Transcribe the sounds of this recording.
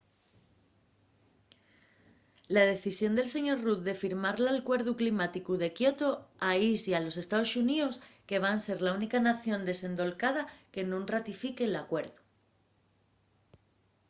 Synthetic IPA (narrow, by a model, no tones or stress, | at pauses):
lað̞e̞θisjo̞nd̪e̞lse̞ɲo̞ɾruððe̞fiɾmaɾlalkwe̞ɾðuklimat̪ikuðe̞kjo̞t̪oaisjalo̞se̞st̪aðosunioske̞β̞anse̞ɾlaunikanaθjõ̞nd̪e̞sẽ̞nd̪o̞lkað̞ake̞nũŋrat̪ifike̞lakwe̞ɾðu